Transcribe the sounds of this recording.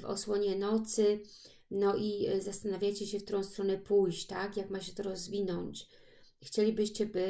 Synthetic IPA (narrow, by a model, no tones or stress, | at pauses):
vɔ̰swɔɲɛnɔt̪sɘ | nɔʔizast̪anavʲjajt͡ɕɛɕɛft̪uɾɔ̃w̃st̪ɾɔnɛpujɕt͡ɕt̪akjakmaɕɛt̪ɔɾɔzvʲinɔɲt͡ɕ | xt͡ɕelʲibɘɕt͡ɕɛbɘ